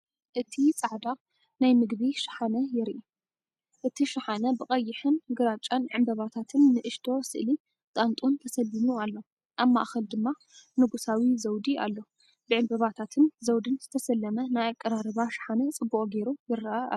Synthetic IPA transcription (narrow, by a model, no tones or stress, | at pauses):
ʔɨt̪ʰit͡sʼaʕd̪a | najmɨɡbiʃɪ̥ħanɐjɪɾʔi | ʔɨt̪ʰiʃɪħanɐbɨkʼɐjːɪħɨnɡɨɾat͡ʃʼanʕɨmbɐβat̪ʰat̪ʰɨnːɨʔɨʃt̪ʰo̞sɨʔli | t̪ʼant̪ʼunt̪ʰɐsɐlːinualːo̞ | ʔaβma̰ʔxɐld̪ɨmːa | nɨɡusawizɐwd̪ia̰lːo̞ | bɨʕɨmbɐβat̪ʰat̪ʰɨnzɐwd̪ɨnzɨt̪ʰɐsɐlːɐmɐnajakʼːɐɾaɾɨβaʃḁħanɐt͡sʼɨbːukʼɡe̞ɾujɪɾːɐʔaa̰